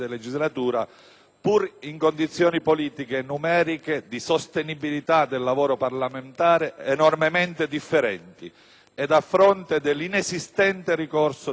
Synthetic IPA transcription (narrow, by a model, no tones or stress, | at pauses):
d̪eled͡ʒizlat̪uːɾa | puɾiŋkond̪it̪sːjɔːnipoliːt̪ikenumɛːɾiked̪isost̪enibilit̪ad̪elːavoːɾoparlament̪aːɾeːnormement̪ed̪ifːeɾɛnt̪ḭ | ɛd̪afːɾont̪ed̪elːinesist̪ɛnt̪erikorso